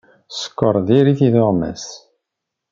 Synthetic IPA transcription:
sə̥kːəɾˤðiɾiθiðoʁmæ̰s

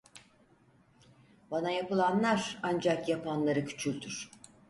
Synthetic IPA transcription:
banajapɯlˠanlˠaɾand͡ʒakjapʰanlˠaɾɯcʰy̥t͡ʃʰylʲd̪yɾ̥

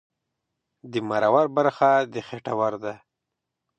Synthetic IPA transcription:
d̪əmaɾawaɾbaɾxad̪əxeʈawaɾd̪a

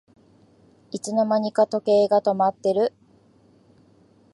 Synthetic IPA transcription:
it͡sɨno̞maɲ̟ikat̪o̞ke̞ːɡat̪o̞mat̪ːe̞ɾɯ̟

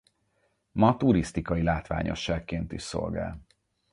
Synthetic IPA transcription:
mɒt̪uɾist̪ikɒilaːt̪ʋa̰ːɲʔo̞̰ʃːaːkːeːnt̪iʃso̞̰lɡa̰ːl

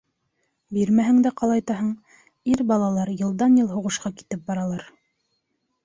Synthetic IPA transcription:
biɾmæɦɘ̆ŋd̪æqɑlˠɑjt̪ɑɦɤɴ | iɾbɑlˠɑlˠɑɾjɤ̆lˠd̪ɑnjɤlˠɦŭʁɤ̆ʃqɑki̥t̪ɘp̚bɑɾɑlˠɑɾ

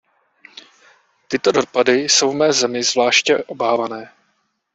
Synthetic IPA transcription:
t̪ɪt̪o̞do̞padɪso̞wvmɛːzɛmɪzvlaːʃcɛʔo̞baːvanɛː

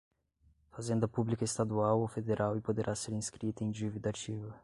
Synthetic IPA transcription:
fazẽnd̪ɐpublikɐest̪ad̪uawofed̪eɾʔawɪpod̪eɾʔaseɾĩskɾit̪ɐẽj̃d͡ʒivid̪at͡ʃivɐ

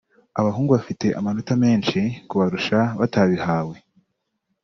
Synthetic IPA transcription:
aβaɦuːŋɡuβafite̞ʔamanotame̞ːnʃikuβaɾuʃaβataβihaːwe̞

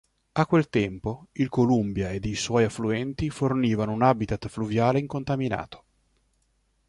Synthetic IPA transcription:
akːwelt̪ɛmpoilkolumbjaed̪ejswɔjafluɛnt̪iforniːvanounabit̪at̪fluvjaːleiŋkont̪amina̰ːt̪o̥

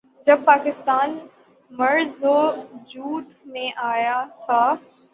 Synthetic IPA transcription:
d͡ʒɐb̚paːkɪst̪aːn | mɐɾzod͡ʒuːt̪mẽʔaːjat̪ʰaː

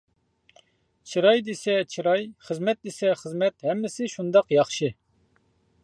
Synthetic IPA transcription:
t͡ʃʰiɾɑjd̪esɛt͡ʃʰiɾɑjχəzmɛt̪̚d̪esɛχəzmɛt̪hɛmːɪsɪʃund̪ɑqjɑχʃɨ

